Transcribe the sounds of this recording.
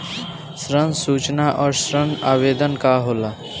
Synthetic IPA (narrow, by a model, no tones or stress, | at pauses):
sɾənsuːt͡ʃnaʔɔːɾsɾənaːʋeːd̪ənkaɦoːla